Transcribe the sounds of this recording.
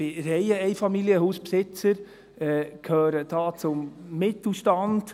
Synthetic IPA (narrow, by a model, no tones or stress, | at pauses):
ɪɾɛjəɛɪfɑmiljəɦuːspsɪt͡səɾ | ɛkʰhøːɾəd̥ɑːt͡sʊmːɪtl̩ʃtɑnd̥